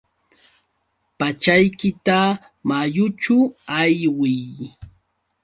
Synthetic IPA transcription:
pat͡ʃajkɪt̪a | majʊt͡ʃʊajwɪj

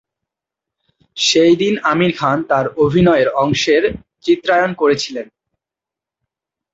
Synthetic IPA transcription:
ʃejd̪inamiɾkʰant̪aɾobʱinɔeɾɔŋʃeɾ | t͡ɕit̪ːɾajonkoɾet͡ɕʰilen

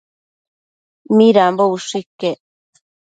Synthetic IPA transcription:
miɾambouʂikːe

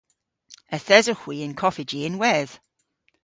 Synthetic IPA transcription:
əθɛzəxwiɪ̃nkʰɔfɪd͡ʒiɪ̃nwɛð̥

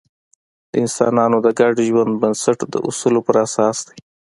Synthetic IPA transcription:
d̪əɪnsɑ̰nɑnod̪əɡaɖiʒwand̪bənsaʈd̪ə̰ʔʊ̰sulopəɾasɑːsd̪e̥

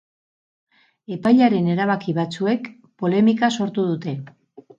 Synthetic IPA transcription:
e̞pajʎaɾe̞ne̞ɾaβ̞akiβ̞at͡sue̞k | po̞le̞mikaso̞ɾt̪uðut̪e̞

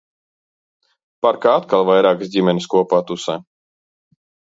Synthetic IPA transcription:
paɾkɾaːt̪̚kalvajɾaɡzɟimɛnʲskuɔpat̪usɛ̰

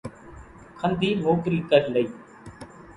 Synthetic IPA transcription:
kʰənd̪ʱiːmoːkɾiːkəɾləiː

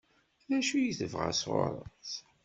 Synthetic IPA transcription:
ðæʃujiθəvʁa̰swo̰ɾˤət͡s

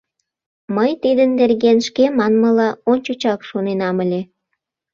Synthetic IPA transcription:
məjt̪id̪ənd̪erɣenʃkemɑnməlɑont͡ɕut͡ɕɑkʃonenɑməlʲe

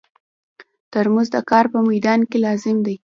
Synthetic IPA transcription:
t̪əɾmuzd̪əkɑɾpəmajd̪ɑnkelɑzɪmd̪aj

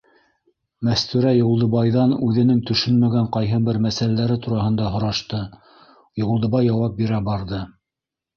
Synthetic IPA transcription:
mæst̪ʉɾæjŏlˠd̪ɤ̆βɑjðɑnʉðɘ̆nɘŋt̪ɵ̆ʃɵnmæɡæɴqɑjɦɤbɘɾmæsælælæɾɘt̪uɾɑɦɤ̆nd̪ɑɦŏɾɑʃt̪ɤ | jŏlˠd̪ɤ̆βɑjːɑwɑp̚biɾæbɑɾðɤ

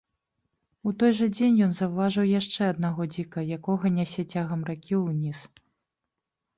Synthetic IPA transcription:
ut̪ɔjʐɐd͡zʲenʲjɔnzɐwvaʐɨwjaʂt͡ʂɛɐd̪naɣɔd͡zʲikɐjakɔɣɐnʲasʲɛt͡sʲaɣɐmrakʲiwnʲis

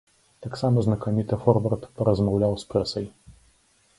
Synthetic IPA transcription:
t̪aksamɐznɐkɔmʲit̪ɨfɔɾvɐrt̪pɐɾɐzmawlʲawspɾɛsɐj

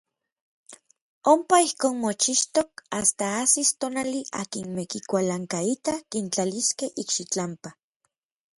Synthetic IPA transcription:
ompaihkoːnmot͡ʃiʃt̪okast̪aasist̪onaliʔa̰ːkinmekikʷalaŋkait̪akint͡ɬaliskehʔikʃit͡ɬampa

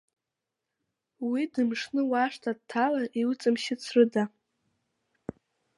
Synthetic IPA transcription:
widɨmʂnɨwaʂtʰad̚tʰalaʔiwut͡sʼɨmʃɪt͡sʰrɨda

